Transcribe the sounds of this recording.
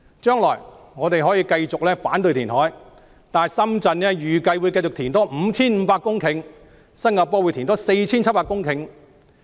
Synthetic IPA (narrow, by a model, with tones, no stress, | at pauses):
t͡ʃœː˥ŋlɔː˨˩jŋɔː˨˧t̪e˨jɦɔː˨˥jiː˧kɐ˧jt͡sʊ˨k̚lɛː˥faː˨˥nt̪ɵ˧ɥt̪ʰiː˨˩nhɔː˨˥j | t̪aː˨sɐ˥mt͡sɐ˧nnɛː˥jyː˨kɐ˧jwu˨˧jkɐ˧jt͡sʊ˨kt̪ʰiː˨˩nt̪ɔː˥m̩ː˨˧t͡sʰiː˥nm̩˨˧˥paː˧kːʊ˥ŋkʰɪ˨˧ŋ | sɐ˥nŋaː˧pɔː˥wu˨˧jt̪ʰi˨˩nt̪ɔː˥se˧jt͡sʰiː˥nt͡s̚ʰpaː˧kʊ˥ŋkʰɪ˨˧˥ŋ